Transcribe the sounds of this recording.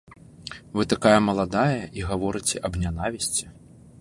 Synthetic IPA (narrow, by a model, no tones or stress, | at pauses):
vɨt̪akajɐmɐlˠad̪ajɐʔiɣavɔɾɨt͡sʲɛʔɐbnʲan̪avʲisʲt͡sʲɛ̥